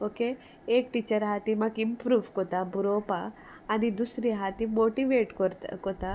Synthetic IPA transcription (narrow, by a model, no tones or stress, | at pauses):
oke | ek̚ʈit͡ɕəɾɦat̪imakimpɾuːʋkɔt̪abuɾopaː | nid̪usɾiɦat̪imoʈiʋeʈkɔt̪kɔt̪a